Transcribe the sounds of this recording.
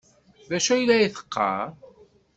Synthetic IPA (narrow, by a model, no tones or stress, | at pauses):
ðæʃæjlːæiθə̥qʰːɑ̰